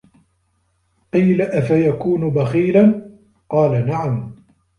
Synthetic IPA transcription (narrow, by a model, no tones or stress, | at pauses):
qiːlaʔafajakuːnʊbaxiːlan | qɑːlanaʕam